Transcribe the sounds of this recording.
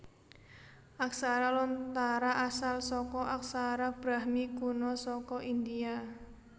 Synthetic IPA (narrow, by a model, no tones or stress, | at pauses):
ʔak̚saɾalɔnt̪aɾaʔasalsɔkɔʔak̚saɾab̥ɾahmikunɔsɔkɔʔind̪ia